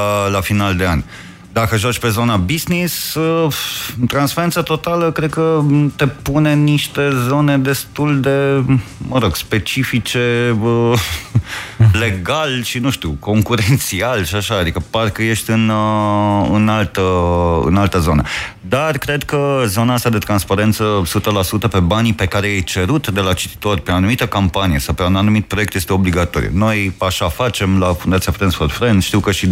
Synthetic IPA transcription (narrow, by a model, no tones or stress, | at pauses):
lafinald̪e̞a̰nʲ | d̪akəʒat͡ʃʲpe̞zo̞nabiznis | t̪ɾansfeɾent̪sət̪o̞t̪aləkɾed̪̚kət̪e̞pune̞niʃt̪e̞zo̞ne̞d̪e̞st̪uld̪e̞məɾo̞ɡ̥spe̞t͡ʃifit͡ʃe̞ə | le̞ɡalʃinuʃt̪ṵko̞ŋkuɾent̪sialʃiaʃaːd̪ikəparkəje̞ʃt̪ʲɨn | ɨnalt̪əɨ̰nalt̪əzo̞nə | d̪arkɾe̞d̪kəzo̞naast̪ad̪e̞t̪ɾanspaɾe̞nt̪səsut̪əlasut̪əpe̞banipe̞kaɾejejt͡ʃe̞ɾut̪d̪e̞lat͡ʃit̪i̥t̪o̞rʲpeanumit̪əkampanijesawpeananumit̪̚pɾo̞jekt̪jest̪eo̞bliɡat̪oɾḭṵno̞jaʃafat͡ʃe̞mlafund̪at̪siafɾensforfɾend̪ʃt̪iwkəʃi